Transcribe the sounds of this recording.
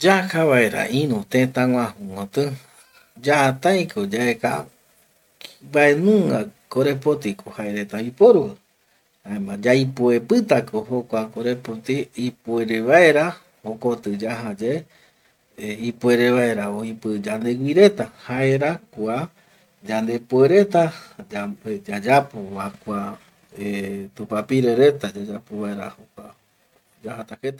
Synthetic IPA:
d͡ʒahaβaeɾa̰ʔĩnũt̪ẽt̪ãŋʷãhũŋõt̪ɨ | d͡ʒaat̪ãj̃kʰod͡ʒaeka̰ | mbaenũŋɡakoɾe̞pot̪ikohaeɾe̞t̪aoipoɾuɨ | aemãd͡ʒajpuepɨt̪akohokʷakoɾe̞pot̪iipue̞ɾeʋaeɾa | okot̪ɨd͡ʒaɦad͡ʒe | ipue̞ɾe̞βaeɾaoipɨd͡ʒand̪e̞wiɾe̞t̪ahaeɾakua | d͡ʒand̪e̞pueɾe̞t̪aad͡ʒad͡ʒapoβakʷa | et̪upapiɾe̞ɾe̞t̪ad͡ʒad͡ʒapoβaeɾahokʷa | d͡ʒahat̪ahet̪a

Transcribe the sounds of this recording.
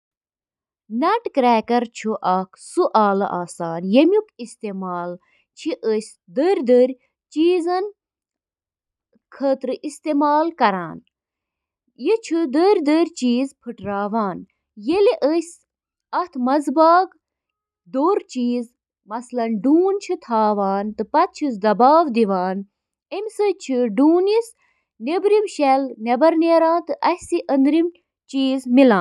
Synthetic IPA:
nɐʈkɾɛːkɐɾt͡ʃʰuʔɐkʰsuʔaːlɐ̰ʔaːsaːnjemʲjukist̪emaːl | t͡ʃʰiʔəsʲ | d̪əɾʲd̪əɾʲ | t͡ʃiːzɐn | kʰəːt̪ɾɨʔist̪emaːlkɐɾaːn | jit͡ʃʰud̪əɾʲd̪əɾʲt͡ʃiːzpʰɨʈɾaːʋaːn | jeliʔəsʲ | ɐt̪ʰmɐzbaːɡ | d̪oːɾt͡ʃiːz | mɐslɐnɖuːnt͡ʃʰɨt̪ʰaːʋaːnt̪ɨpɐt̪̚t͡ʃʰisd̪ɐbaːʋd̪iʋaːn | emʲsət͡ʃʰɨɖuːnis | nebɾimʃelnɐbɐɾneːɾaːnt̪ɨʔɐsiʔɐnd̪ɾim | t͡ʃiːzmilãːn

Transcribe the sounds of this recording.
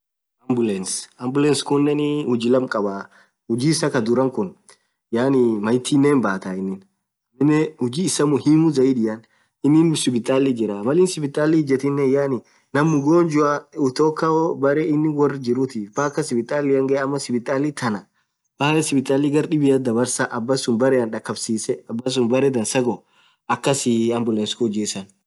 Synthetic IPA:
ɐmbʊlɛnsɐmbʊlɛnskʊnːɛnɪhʊd͡ʒɪlɐmkʼɐba | hʊd͡ʒiːsɐkɐd̪ʊɾɐŋkʊn | jaːnimɐjt̪ʰiːnːeːnbaːt̪aɪnːɪn | nɪnːɛhʊd͡ʒiːɪsːɐmʊhimʊzɐiᶑɪjɐn | ɪnːɪnsɪbɪt̪ʼaːlid͡ʒɪɾamɐlɪːnsɪbɪt̪ʼːaːlɪɪd͡ʒɛt̪ɪnːɛjaːnɪ | nɐmːʊɡoːnd͡ʒʊaʊt̪oːkːɐɔbɐɾɛɪnːɪwɐrːd͡ʒɪɾʊt̪iːfbaːkːɐsɪbɪt̪ʼːaːlɪɐŋɡɐɐmːɐsɪbɪt̪ʼaːlit̪ʰɐnɐ | balsɪbɪt̪ʼaːlɪɡɐɾɗɪbɪjɐd̪ɐbɐɾsaʔɐbːɐsʊnbɐɾɛɐnᶑɐkːɐbsiːsɛɐbːɐs̬ʊnbɐɾɛd̪ɐnsɐɡɔ | ʔɐkːɐsɪɐmbʊlɛnskɔd͡ʒeːsɐn

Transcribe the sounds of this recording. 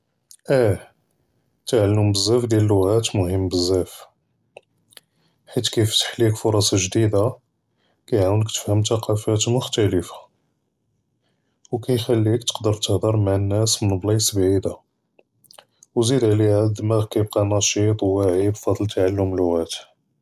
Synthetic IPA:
ʔæ | t̪aʕalːʊmbəzːæfd̪jæləlːʊɣæt̪mʊhəmːbəzːæf | ħit̪kift̪ħlikfʊɾˤɑsˤɑʒd̪id̪a | kæjʕawənəkt̪ə̥fhəmt̪ɑqʰɑfæt̪mʊxt̪æləfḁ | wkæjxælːikt̪ə̥qd̪əɾˤt̪əhd̪ɑɾˤmaʕənːæsmənblɑsbʕid̪a | wzid̪ʕliæd̪mækæjəb̚qɑnɑʃit̪ˤwwaʕibfɑd̪ˤlt̪ːaʕalːʊmlːʊɣæt̪

